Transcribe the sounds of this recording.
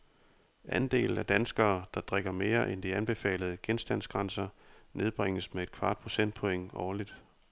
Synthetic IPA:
ʔænd̥e̝̰ːl̩æd̥ænsɡ̥ɐːd̥ɑ̈d̥ʁeɡ̥ɐme̝ːɐʔend̥iænb̥e̝fɛ̰ːləð̞̩ˠəɡ̥ensd̥æn̰sɡ̥ʁɑ̈nsɐne̝ð̞ˠb̥ʁeŋ̰əsmee̝d̥̚kʰʋɑ̈ːd̥̚pʰʁo̝sen̰d̥̚pʰɒ̽eŋ̰ɒːlid̥

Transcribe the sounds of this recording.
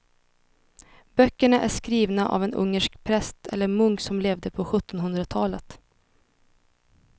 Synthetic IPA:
b̥œkːəɳaʔæʂkɾiːvnaʔa̰vɛnɵ̰ŋːəʂkpʰɾɛst̪ʰɛ̰lːəɾmɵŋksɔmleːvd̪əpʰɔɧɵt̪ːɔnhɵnd̪ɾat̪ʰɑːlət̪

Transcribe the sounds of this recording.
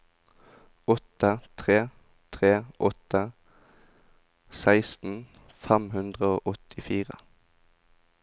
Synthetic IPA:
ɔt̪ət̪ʰʁeː | t̪ʰʁeːʔɔt̪ə | sæɪst̪n̩ | fæmhʉnd̪ʁəo̰ːʔɔt̪ʰɪfiːʁə̰

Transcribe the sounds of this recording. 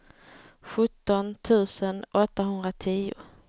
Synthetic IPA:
ɧɵt̪ːɔnt̪ʰʉ̟ːsənʔɔt̪ːaɦɵnd̪ɾat̪ʰiːʊ̰

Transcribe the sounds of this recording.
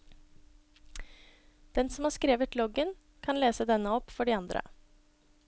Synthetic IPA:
d̪̥ɛnsɔmhɑːʂkɾeːʋət̪lɔɡən | kʰɑnleːsəd̪ɛnːəɔpfɔɖiːɑnd̪ɾə̰

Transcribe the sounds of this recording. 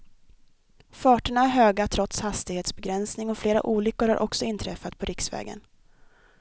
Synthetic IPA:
fɑːʈəɳaæɾɦøːɡat̪ʰɾɔt̪shast̪ɪɡheːt̪sbɛɡɾɛnsnɪŋɔfleːɾa̰ʔuːlʏkːʊɾha̰ɾʔɔksɔɪnt̪ʰɾɛfːat̪pʰɔɾɪksvɛ̰ːɡə̰n

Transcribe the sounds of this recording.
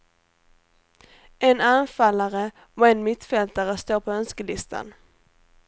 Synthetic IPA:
ʔɛnanfalːaɾə | ɔɛnmɪt̪fɛlt̪aɾəst̪oːɾpʰɔœnskəlɪst̪ʰa̰n

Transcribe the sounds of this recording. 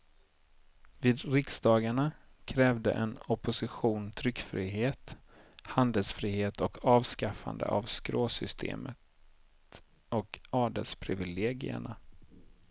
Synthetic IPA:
viːd̪ɾɪksd̪ɑːɡaɳa | kʰɾɛːvd̪ə̰ʔɛnɔpʊsɪɧuːnt̪ʰɾʏkːfɾiːɦeːt̪ | hand̪əlsfɾiːheːt̪ʰɔkʰɑːvskafa̰nd̪ə̰ʔavskɾoːsʏst̪ʰḛːmət̪ | ɔkɑːɖəlspʰɾɪvɪleːɡɪ̰ə̰ɳa

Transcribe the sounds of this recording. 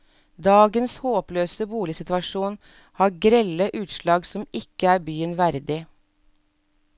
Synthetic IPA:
d̪ɑːɡənshoːpløːsəbuːlɪsɪt̪ʋɑʃuːn | hɑːɾɡɾɛləʔʉːt̪ʃlɑːɡsɔmɪkəæːɾbyːənʋæɾd̪ɪ

